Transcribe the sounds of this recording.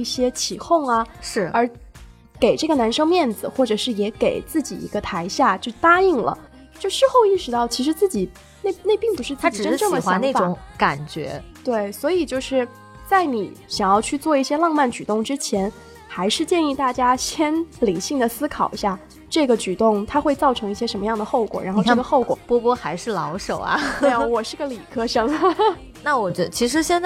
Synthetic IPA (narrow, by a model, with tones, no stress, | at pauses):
i˥˩ɕjɛ˥t͡ɕʰi˨˩xʊ˥˩ŋɐ˩ʂɻ̩˥˩ə˞˧˥ | ke˨˩ɪʈ͡ʂɤ˥˩ɡə˩na˧˥nʂɤ˥ŋmjɛ˥˩nd͡zɹ̩˨˩xwɔ˥˩ʈ͡ʂɤ˨˩ʂɻ̩˥˩jɛ˧˥ke˨˩ɪt͡sɹ̩˥˩t͡ɕi˨˩ḭ˧˥ɡə˧t̪ʰa˧˥ɪɕja˥˩t͡ɕjo˥˩ʊt̪a˥i˥˩ŋlə̰˩ | t͡ɕjo˥˧ʊʂɻ̩˥˧xo˥˧ʊi˥˩ʂɻ̩˧˥t̪ɑ˥˩ʊt͡ɕʰi˧˥ʂɻ̩˧˥t͡sɹ̩˥˩t͡ɕi˨˩ | ne˥˧ne˥˧ɪpi˥˩ŋpu˧˥ʂɻ̩˥˩˧t͡s̪ʰa˥ʈ͡ʂ̩˨ʈ͡ʂə˥˦ʈ͡ʂɤ˥˩ŋd̪ə˨˩xwaa˧˥ne˥˩faʈ͡ʂʊ˨˧˥ŋka˨˩nt͡ɕɥɛ̰˧˥t̪we˥˩ɪswɔ˧˥i˨˩t͡ɕjo˥˧ʊʂɻ̩˥˧ | t͡sa˥˩ɪni˨˩˦ɕjɑ˨˩ŋjɑ˥˧ʊt͡ɕʰy˥˧t͡swɔ˥˧i˥˩ɕjɛ˥lɑ˥˧ŋma˥˩nt͡ɕy˨˩t̪ʊ˥˩ŋʈ͡ʂɻ̩˥t͡ɕʰjɛ˧˥n | xa˧˥ɪʂɻ̩˥˧t͡ɕjɛ˥˧ni˥˧t̪a˥˩t͡ɕja˥ɕjɛ˥nli˨˩˦ɕi˥˩ŋd̪ə˩sɹ̩˥kʰɑ˨˩ʊɕja˥˩ | ʈ͡ʂɤ˥˩ɡə˩t͡ɕy˨˩t̪ʊ˥˩ŋt̪ʰa˥xwe˥˧ɪt͡sɑ˥˩ʊʈ͡ʂʰɤ˧˥ŋi˥˩ɕjɛ˥ʂə˧˥nmə˧jɑ˥˩ŋd̪ə˩xo˥˩ʊkwɔ̰˨˩ɻa̰˧˥xo˥˧ʊɤ˥˩ɡə˧xo˥˩ʊkwɔ̰˨˩pwɔ˥pwɔ˥xa˧˥ɪʂɻ̩˥˩lɑ˧˥ʊʂo˨˩ʊɐ̰˧˦e˧˩˧wɔ˨˩ʂɻ̩˥˩ɡə˩li˨˩kʰɤ˥ʂɤ˥ŋ | na˥˩wɔ˨˩t͡ɕɛ˧˥˧t͡ɕʰi˧˥ʂɻ̩˧˥ɕjɛ˥n